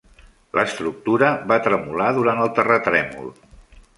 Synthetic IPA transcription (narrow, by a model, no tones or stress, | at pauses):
lʔəst̪ɾuk̚t̪uɾəβat̪ɾəmulaðuɾant̪əlˠt̪ərət̪ɾɛmṵlˠ